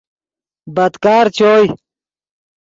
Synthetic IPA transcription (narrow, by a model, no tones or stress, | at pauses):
bɐd̪kaːɾt͡ɕʰoːj